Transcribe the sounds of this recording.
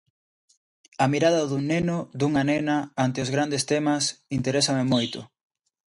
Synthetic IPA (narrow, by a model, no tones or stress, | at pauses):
ɐmiɾaðɐðuŋnenʊd̪uŋanɛnɐant̪ɪʊzɣ̞ɾand̪est̪emɐsint̪eɾɛsɐmɪmojt̪ʊ̰